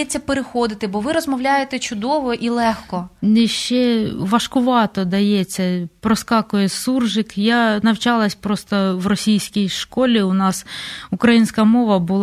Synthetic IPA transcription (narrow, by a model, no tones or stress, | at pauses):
ɛt͡sʲːɐpeɾexɔd̪ɪt̪ɪbɔʋɪɾɔzmɔwlʲajet̪ɛt͡ʃʊd̪ɔʋɔʔilˠɛxkɔnɛʃt͡ʃɛʋɐʃkʊʋɑt̪ɔd̪ɐjɛt͡sʲːɐpɾɔskɑkʊjɛsurʒɪkjanɐwt͡ʃɑlˠɐsʲpɾɔst̪ɔʋrɔsʲijsʲkʲijʃkɔlʲiʊnɑsʊkɾɐjinʲsʲkɐmɔʋɐbʊlˠ